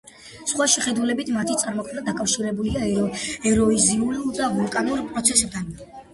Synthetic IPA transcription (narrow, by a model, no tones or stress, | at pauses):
sχwaʃɛχɛd̪ulɛbit̪ʰmat̪ʰit̪sʼaɾmɔkʰmnad̪akʼafʃiɾɛbuliaɛɾɔiziuliud̪avulˠkʼanuɾpʼɾɔt̪sʰɛsɛd̪an